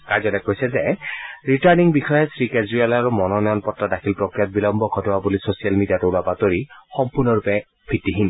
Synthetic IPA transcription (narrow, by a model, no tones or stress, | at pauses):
kazɔtɛkojsɛzɛɹitaɹniŋbixɔjɛsɹikezɹialaɹumɔnɔnɔjɔnpɔtːadakʰilpɹokɹijat̚bilɔmbɔkʰɔdɔwabulisosialmidijatɔlabatoɹixɔmpuɹnɔɹupɛ | pʰitːiɦin